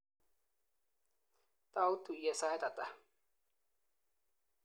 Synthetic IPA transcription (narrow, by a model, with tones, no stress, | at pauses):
t̪a˦wt̪u˨je˨sa˦jt̪a˨t̪a˨